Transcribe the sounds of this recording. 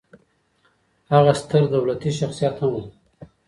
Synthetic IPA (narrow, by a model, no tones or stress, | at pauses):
haɣast̪əɾd̪awlat̪iʃaxsijat̪hamu